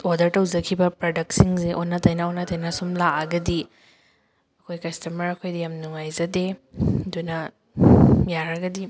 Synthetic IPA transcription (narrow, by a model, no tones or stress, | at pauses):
odɐɾtɐwzɐkʰibɐpɾadɐk̚siŋsiʔonːɐtʰɐjnaonɐtɐjnɐsumlaʔɐɡɐdi | ɐkʰojkɐstɐmɐɾɐkʰojdijamnuŋajzɐdedunɐ | jaɾɐɡɐdi